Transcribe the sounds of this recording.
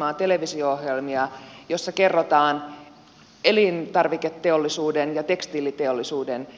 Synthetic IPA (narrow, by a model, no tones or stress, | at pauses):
ɑːt̪e̞leʋisiooɦjelmiɑjosːɑke̞rːot̪ɑːn | elint̪ɑrʋiket̪ːeolːisuːdenjɑt̪e̞kst̪iːlːit̪eolːisuːden